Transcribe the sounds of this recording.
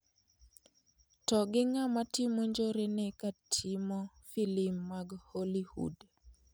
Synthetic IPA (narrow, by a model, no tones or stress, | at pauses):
tɔɡɪŋamatɪmoɲd͡ʒoɾenekatʰimo | filɪmːaɡholihṵd